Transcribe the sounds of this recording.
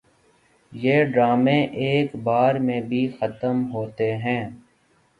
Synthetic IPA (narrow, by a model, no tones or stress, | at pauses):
jeːɖɾaːmẽʔeːkbaːɾmẽbʱixət̪əmɦoːt̪eɦɛ̃ː